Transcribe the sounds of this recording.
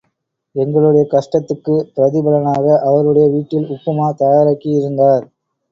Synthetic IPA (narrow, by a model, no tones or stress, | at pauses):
ɛŋɡɐɭɯɽɐjɐkɐʂʈɐt̪ːɯkːɯpɾɐðɪbɐlɐnaːɣɐʔɐʋɐɾɯɽɐjɐʋiːʈːɪlʊpːɐmaːt̪ɐjaːɾɐkːijɪɾɯnd̪aːɾ